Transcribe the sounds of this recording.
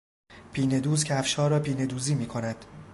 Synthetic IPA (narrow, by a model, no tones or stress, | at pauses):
pʰiːne̞d̪uːzcʰeæfʃɒːɾɒːpʰiːne̞d̪uːziːmiːkʰo̞næd̪̥